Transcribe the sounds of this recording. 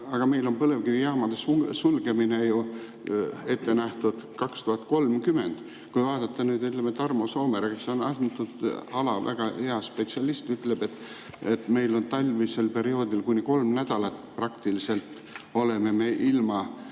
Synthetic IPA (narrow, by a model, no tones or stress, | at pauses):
ɑɡ̥ɑme̞jlo̞npɤle̞vkivijɑːmɑd̪̥esusulɡ̥e̞mine̞ju | e̞t̪ːe̞næht̪ud̪̥kɑkst̪uhɑt̪ko̞lmkyme̞nd̪̥ | kujvɑːd̪̥ɑt̪ːˑɑnyːd̪yt̪lemːet̪ɑrmosoːmeɾekeseonɑsnt̪ːud̪ɑlɑvæ̰ɡ̥ɑhe̞ɑspet̪siɑlist̪yt̪ˑle̞b̥e̞t̪ː | e̞t̪ːme̞jlo̞nt̪ɑlʲvise̞lpe̞ɾio̞ːd̪ilkunʲiko̞lmnæd̪̥ɑlɑt̪prɑkt̪ilise̞lt̪ | ole̞me̞me̞ʔilmɑ